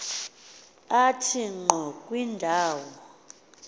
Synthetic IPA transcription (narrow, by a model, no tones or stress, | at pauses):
atʰiŋ͡ǃʱɔkʼwindʱaːwɔ